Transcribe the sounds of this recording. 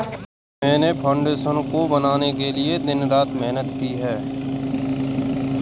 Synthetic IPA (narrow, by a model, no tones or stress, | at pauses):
mɛ̃ːnepʰãːʊɳɖeːʃənkobɐnaːnekelied̪ɪnɾaːt̪mɛɦnət̪̚kiːɦɛː